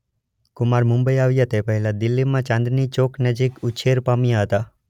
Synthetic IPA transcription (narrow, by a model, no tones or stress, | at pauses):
kʊmaɾmʊ̃mbəiaʋjət̪epəɦɛlad̪ɪlːimãt͡ʃãnd̪ɾnit͡ʃoknəd͡ʒikʊt͡ʃʰeɾpamjaɦət̪a